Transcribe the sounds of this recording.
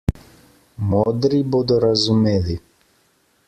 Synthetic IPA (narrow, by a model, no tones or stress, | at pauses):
mɔd̪ɾibɔd̪ɔɾazumɛli